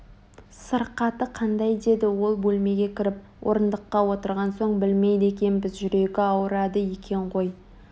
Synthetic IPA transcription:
səɾqɑt̪əqʰɑnd̪ɑjd̪e̞d̪ɪwo̞lˠbɵlme̞ɡʲe̞kʲʰɪɾɪp̚ | wʔo̞̰ɾənd̪əqːɑwo̞t̪əɾʁɑnso̞ɴbɪlmejd̪ek̬ʲe̞nbɪzʒʏɾe̞ɡʲɪɑwəɾɑd̪əje̞kʲʰe̞ɴqʰo̞j

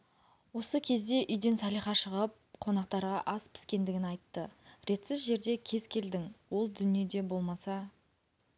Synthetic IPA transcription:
wo̞səkʲʰe̞zd̪e̞ʔʏjd̪e̞nsɑlijχɑʃəʁəp̚qʰo̞nɑqt̪ɑɾʁɑʔɑspʰɪ̥skʲe̞nd̪ɪɡʲɪnɑjt̪ːəɾe̞t̪sɪzʒe̞ɾd̪e̞kʲʰe̞z̥kʲʰe̞ld̪ɪŋwo̞lˠd̪ʏnije̞d̪e̞bo̞lˠmɑsɑ

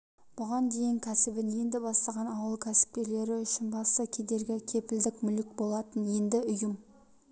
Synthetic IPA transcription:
b̥ʊʁɑnd̪e̞jɪŋkʲʰæsɪbɪne̞nd̪ɪbɑst̪ɑʁɑnɑwəlˠkʲʰæsɪ̥p̚kʲe̞le̞ɾɪʏʃɪnbɑst̪əkʲʰe̞d̪e̞ɾɡʲɪkʲʰe̞pɪld̪ɪkmʏlɪk̚ʲbo̞lˠɑt̪ənje̞nd̪ɪʊjəm

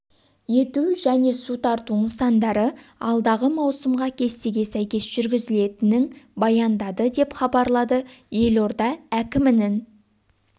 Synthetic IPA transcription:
je̞t̪uʒæne̞sut̪ɑɾt̪unəsɑnd̪ɑɾəɑ̰lˠd̪ɑʁəmɑwsəmʁɑkʲʰe̞st̪eɡʲe̞sæjkʲe̞sʒ̥ʏɾɡʲɪzɪle̞t̪ɪnɪŋbɑjɑnd̪ɑd̪əd̪e̞pχɑbɑɾlˠɑd̪əje̞lo̞ɾd̪ɑækʲɪmɪnɪn

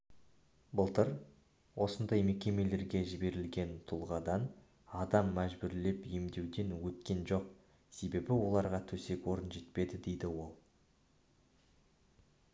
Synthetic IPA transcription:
bəlˠt̪əɾ | wʔo̞sənd̪ɑjme̞kʲe̞me̞le̞ɾɡʲe̞ʒɪbe̞ɾɪlɡʲe̞nt̪ʰʊlˠʁɑd̪ɑn | ɑd̪ɑmːæʒbʏɾle̞pjemd̪e̞wd̪e̞nwɵt̪kʲe̞nʒo̞q | se̞be̞bɪwo̞lˠɑɾʁɑt̪ʰɵse̞kwo̞ɾənʒe̞t̪pe̞d̪ɪd̪e̞jd̪ɪwo̞lˠ

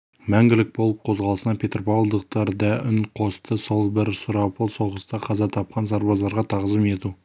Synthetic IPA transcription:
mæŋɡʲɪlɪk̚bolˠəp̚qʰo̞zʁɑlˠəsənɑpʰʲe̞t̪rpɑwlˠd̪əq̚t̪ɑɾd̪ɑʔʏnqʰo̞st̪əso̞lˠbɪɾsʊɾɑpəlˠso̞ʁəst̪ɑqʰɑzɑt̪ʰɑp̚qɑnsɑɾbɑzɑɾʁɑt̪ʰɑʁzəme̞t̪u

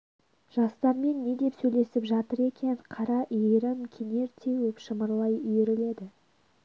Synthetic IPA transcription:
ʒ̥ɑst̪ɑɾme̞nːe̞d̪e̞psɵjle̞sɪpʒɑt̪əɾe̞kʲʰe̞ɴqʰɑɾɑʔijeɾɪmkʲʰene̞ɾt̪ʰe̞wɵpʃəməɾlˠɑjʏjeɾɪle̞d̪ɪ

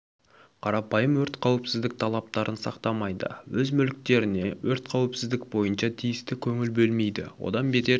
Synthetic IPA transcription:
qʰɑɾɑpɑjəmwɵɾt̪qʰɑwɪpsɪzd̪ɪk̚t̪ʰɑlˠɑp̚t̪ɑɾʔənsɑ̰qt̪ɑmɑjd̪ə̰wɵzmʏlk̚t̪e̞ɾɪne̞wɵɾt̪qʰɑwɪpsɪzd̪ɪk̚bo̞jənʃɑt̪ʰijɪst̪ɪkʲʰɵŋɪlbɵlme̞jd̪ɪ̰wo̞̰d̪ɑnbet̪e̞

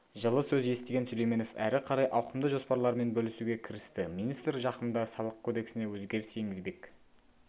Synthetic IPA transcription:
ʒəlˠəsɵze̞st̪e̞ɡʲe̞nsɵle̞jme̞no̞fæ̰ɾɪqʰɑɾɑjʔɑwqəmd̪əʒo̞spɑɾlˠɑɾme̞nbɵlɪsuɡʲe̞kʲʰɪɾɪst̪ɪminist̪ɾʒɑqənd̪ɑsɑlˠəq̚kʰod̪e̞ksɪne̞wɵzɡʲe̞ɾse̞ŋɡʲɪzbe̞k

